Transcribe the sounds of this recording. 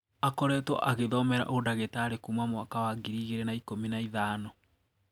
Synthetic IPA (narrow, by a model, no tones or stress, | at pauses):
akɔɾɛːtwɔ̰ʔaɣeðɔmɛɾa̰ʔodaɣetaːɾekumamwakawaɡiɾiːɣeɾenaikominaiðaːnɔ